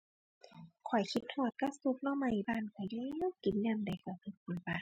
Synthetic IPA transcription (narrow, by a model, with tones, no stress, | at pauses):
kʰɔ˨˩jkʰi˧˥t̪̚ʰːɔː˧˩t̪̚ka˧˩su˧p̚lɔ˧˩ma˧˩jbaː˧˩˨nka˧˩ja˧˥˨wki˨˩nlɛ˧˩˨mda˨˩jka˧˩kʰɯ˧˩t̪̚ku˨˩nbaː˧˩n